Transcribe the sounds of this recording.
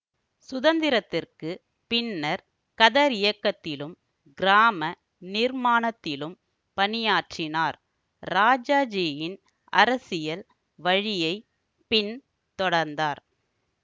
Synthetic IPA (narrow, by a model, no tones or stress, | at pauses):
sʊðɐnd̪ɪɾɐt̪ːɪrkɯ | pɪnːɐɾ | kɐðɐɾɪjɐkːɐt̪ːɪlɯm | ɡɪɾaːmɐ | nɪɾmaːnɐt̪ːɪlɯm | pɐnɪjaːʈrɪnaːɾ | ɾaːd͡ʒaːd͡ʒeːjɪn | ɐɾɐsɪjɐl | ʋɐɻɪjɐɪ | pɪn | t̪ɔɽɐɾnd̪aːɾ